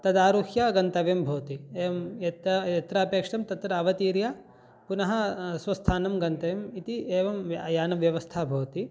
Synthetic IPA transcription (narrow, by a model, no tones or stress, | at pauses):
t̪ɐd̪aːɾukjaːɡɐnt̪ɐʋjɐmbʱoːt̪ieːmɐt̪ɐɐt̪ɾaːpeːkʂɐmt̪ɐt̪ɾɐːʋɐt̪iːɾjaː | punɐɦɐ̆sʋɐst̪ʰaːnɐmɡɐnt̪ɐʋjɐmit̪ieːʋɐmjaːnɐʋjɐʋɐst̪ʰaːbʱɐːt̪i